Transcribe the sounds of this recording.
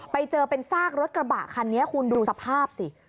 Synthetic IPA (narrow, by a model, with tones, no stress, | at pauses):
pa˧jt͡ɕɤː˧pe˧nsaː˥˩k̚ɾo˦˥t̪̚kɾa˧ba̰ː˨˩kʰa˧nːi˦˥ɐkʰu˧nduuː˧sa˧pʰaː˥˩p̚si˨˩